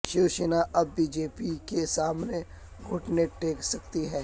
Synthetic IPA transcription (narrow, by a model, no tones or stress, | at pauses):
ʃuːʃənaʔɐbːiːd͡ʒeːpikesaːmne | ɡʱʊʈneʈeːksɐkt̪iɦɛː